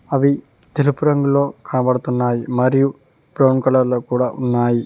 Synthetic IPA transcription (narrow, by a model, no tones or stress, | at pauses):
ɐʋi | t̪elupːʊɾɐŋɡɐɭoːkaːɳɐpɐɽut̪ːunːaːjimɐɾiju | bɾɐwɳkɐɭɐɾlɐkuːɽaʔunːaːji